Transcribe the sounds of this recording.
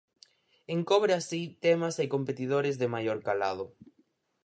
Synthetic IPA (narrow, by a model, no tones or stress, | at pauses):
eŋkɔβɾasit̪emɐsekompet̪ið̞oɾɪzðɪmajoɾkala̰ð̞ʊ